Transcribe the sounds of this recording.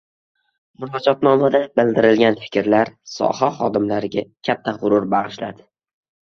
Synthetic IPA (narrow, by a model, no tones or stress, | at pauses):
mʊɾɒd͡ʒɒt̪nɒmad̪abɪld̪ɪɾɪlɡʲanfɪ̥kʲɾlaɾsɒ̰haχɒd̪ɪmlaɾɪɡʲakʲʰat̪ʰːaʁʊɾʊɾbaʁɨʃlad̪ɪ̥